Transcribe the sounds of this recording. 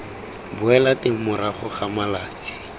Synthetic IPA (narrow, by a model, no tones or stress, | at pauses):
bʊɛlatɪmʊɾaχʊχamalaːt͡si̥